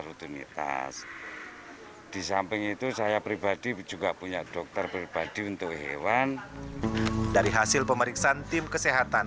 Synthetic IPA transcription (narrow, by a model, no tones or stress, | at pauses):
ɾut̪unḭt̪a̰s | d̥isampɪŋit̪usajapɾibad̥id͡ʒuɡapuɲaʔd̥ɔk̚t̪ərpɾib̥ad̥iunt̪ʊkɦḛwan | daɾiɦasɪlpəməɾiksaant̪ɪmkəseɦat̪an